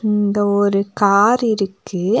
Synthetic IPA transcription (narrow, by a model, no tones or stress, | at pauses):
ɪɪnd̪ɐɔɾɯkaːɾɪɾɯkːɯ